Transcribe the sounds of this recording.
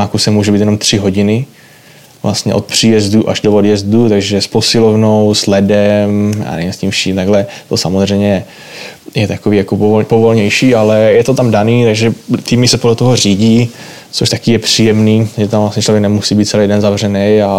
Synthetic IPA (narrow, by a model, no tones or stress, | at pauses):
akusɛmuːʒɛbiːt̪jɛno̞mt̪r̥ɪɦo̞ɟɪnɪ | vlʔast̪ɲɛ̰ʔo̞̰t̪̚pr̥iːjɛzduʔaʒdoodjɛzdut̪aɡʒɛsposɪlovno̞wslɛdɛmja̰ːnɛ̰vimscimfʃiːmt̪aɡlɛt̪osamozr̝ɛjɲɛ | jɛt̪akoviːjakopopovo̞lɲɛjʃiːalɛjɛt̪ot̪amdaniːt̪aɡʒɛt̪iːmɪsɛpodlɛt̪oɦoriːɟiː | t͡soʃt̪akijɛpr̝̥iːjɛmniːaʒɛt̪amvlast̪ɲɛt͡ʃlo̞vjɛk̚nɛmusiːbiːt̪t͡sɛlejdɛnzavr̝ɛnɛja